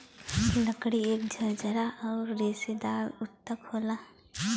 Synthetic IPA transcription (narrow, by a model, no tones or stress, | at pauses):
ləkɽieːk̚d͡ʒʱɐɾd͡ʒʱəɾaʔɔːɾːeːsed̪aːʊt̪ːəkhoːlaː